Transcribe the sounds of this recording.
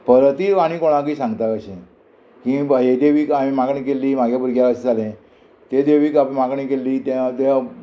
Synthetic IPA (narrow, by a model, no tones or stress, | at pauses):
pəɾət̪iːʋaɽ̃iːkoɽ̃ãkiːsãŋɡt̪akəɕẽ | kĩɦed̪eʋiːkamĩmaɡɳĩkelːiːm̤aɡʱjabʱuɾɡjakəɕed͡zalẽ | t̪ed̪eʋiːkapmaɡɳĩkelːiːt̪at̪e